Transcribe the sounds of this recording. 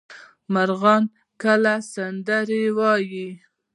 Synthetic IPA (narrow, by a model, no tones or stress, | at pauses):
maɾɣɑn | kəlasand̪aɾewɑji